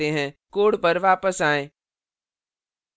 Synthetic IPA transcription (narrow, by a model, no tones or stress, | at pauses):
eɦɛ̃ːkoːɽpəɾʋaːpəsaːẽː